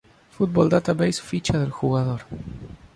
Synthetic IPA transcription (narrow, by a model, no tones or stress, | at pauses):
fut̪̚bold̪at̪aβejsfit͡ʃaðelxuɣaðoɾ